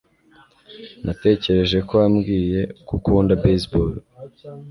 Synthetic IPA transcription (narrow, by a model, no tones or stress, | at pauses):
nʔate̞ːce̞ɾe̞ʒe̞ko̞amɡiːje̞kukuːndabesbol